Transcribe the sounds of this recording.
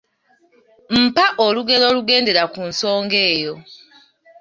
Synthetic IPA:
m̩paʔoluɡe̞lo̞ːluɡe̞ːnde̞ɾakunso̞ːŋɡe̞ːjo̞

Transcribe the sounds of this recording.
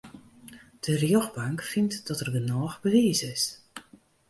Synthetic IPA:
d̥ərjoxbaŋkfɪntd̥ɔtərdənɔːxbəʋiːsɪs

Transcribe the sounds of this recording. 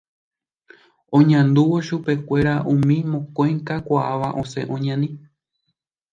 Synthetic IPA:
õ̞ɲãnd̪uʋo̞ʃupe̞kʷe̞ɾaʔũmĩmõ̞kõjŋkakʷaʔaʋaʔõ̞se̞̰ʔõɲãnĩ

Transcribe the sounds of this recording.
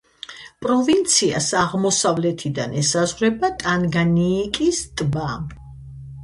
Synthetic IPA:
pʼɾɔvint̪sʰia̰saʁmɔsavlɛt̪ʰid̪a̰nɛsazʁɾɛbat̪ʼanɡaniːkʼist̪ʼba

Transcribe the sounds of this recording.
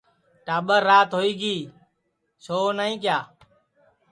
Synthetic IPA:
ʈaːɓəɾːaːt̪ɦoːiːɡiː | sʰoːnəːĩːk̬jaː

